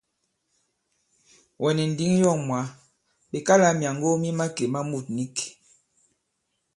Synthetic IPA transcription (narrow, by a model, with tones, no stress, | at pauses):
wʔɛ˨nɛ˨n̩˨di˨˦ŋ˦jɔ˦˨ŋmwa˨˦ | be˨ka˦la˨˦mja˨ŋɡo˦mi˦ma˦ke˨ma˦mu˦˨t̚ni˦ke̥˨